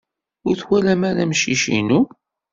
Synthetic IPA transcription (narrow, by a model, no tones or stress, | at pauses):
ʊɾθwælæmæɾæmʃiʃḭnu